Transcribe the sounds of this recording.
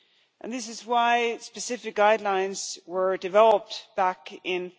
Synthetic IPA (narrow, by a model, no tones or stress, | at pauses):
ʔɨ̃nðɪs̬ɨzwaɪspɨsɪfɨk̚ɡ̥aɪdˡlãɪ̃nz̥wə˞dɨvɛlˠəp̚tb̥ækɪ̃n